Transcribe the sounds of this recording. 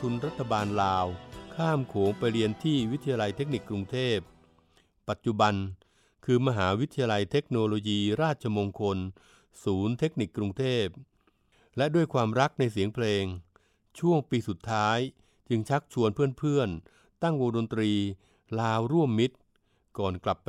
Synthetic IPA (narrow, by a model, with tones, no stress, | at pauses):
t̪ʰu˧nɾa˦˥t̪ʰːa˧baː˧nlaː˧wkʰaː˥˩mkʰoː˩˦ŋpa˧jɾi˧ənt̪ʰiː˥˩wi˦˥t̪ʰːa˧jaː˧la˧jt̪ʰe˦˥k̚ni˨˩kːɾu˧ŋt̪ʰeː˥˩p̚ː | a˨˩t̪̚t͡ɕu˨˩ba˧n | kʰɯː˧ma˧ɦaː˩˦wi˦˥t̪ʰa˧jaː˧la˧jt̪ʰe˦˥k̚noː˧loː˧jiː˧ɾaː˥˩t̪̚t͡ɕʰa˧mo˧ŋkʰo˧n | suː˩˦nt̪ʰe˦˥k̚ni˨˩kːɾu˧ŋt̪ʰeː˥˩p̚ | lɛ˦˥ʔdu˥˩əjkʰwaː˧mɾa˦˥k̚na˧js̬i˩˦əŋpʰleː˧ŋ | t͡ɕʰu˥˩əŋpiː˧su˨˩t̪ʰːaː˦˥j | t͡ɕɯ˧ŋt͡ɕʰa˦˥k̚t͡ɕʰu˧ənpʰɯ˥˩ənpʰɯ˥˩ən | t̪a˥˩ŋwoː˧do˧nt̪ɾiː˧ | laː˧wɾu˥˩əmːi˦˥t̪̚ | kɔː˨˩nkla˨˩pː